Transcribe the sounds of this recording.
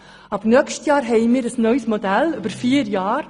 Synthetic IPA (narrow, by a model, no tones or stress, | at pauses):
ɑbnœkʃtjɑːɾɦɛɪmiːɾəsnœʏsmodælʏb̥əɾfiːəɾjɑːɾ